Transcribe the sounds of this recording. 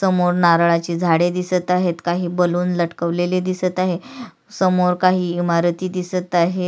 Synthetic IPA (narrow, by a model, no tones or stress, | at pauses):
səmoɾnaɾɭat͡ɕiːd͡zʱaɽed̪isət̪aɦet̪kaɦiːbəluːnləʈkəʋleled̪isət̪aɦe | səmoɾkaɦiːimaɾt̪iːd̪isət̪aɦe